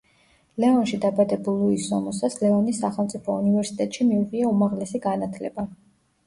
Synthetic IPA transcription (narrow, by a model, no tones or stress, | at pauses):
lɛɔnʃid̪abad̪ɛbulˠuisɔ̰mɔsaslɛvanisːaχɛlˠmt̪sʼipʰɔunivɛɾsi̥t̪ʼɛt̪ʼʃimiuʁiaumaʁlɛsiɡanat̪ʰlɛba